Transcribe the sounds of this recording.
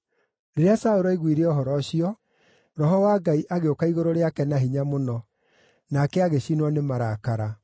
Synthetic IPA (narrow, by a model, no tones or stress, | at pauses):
ɾeɾeasaoɾɔiɣwiɾeɔɦɔɾɔɕiɔ | ɾɔɦɔwaɡaiʔaɣeokaiɣoɾoɾeakɛnaɦiɲamonɔ | nakɛaɣeɕinwɔnemaɾakaɾa